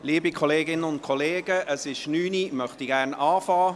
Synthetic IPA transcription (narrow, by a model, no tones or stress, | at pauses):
liːbikʰɔleːɡɪnənʊnt̚kʰɔleːɡ̥əəsɪʃnyːnimœχtiɡærnaːfɑː